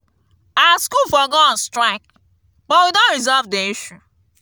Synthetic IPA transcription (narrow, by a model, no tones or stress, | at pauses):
awaskulfɔɡɔɔ̃nstɹaɪk | bɔtwidõnɹizɔlvdeiʃu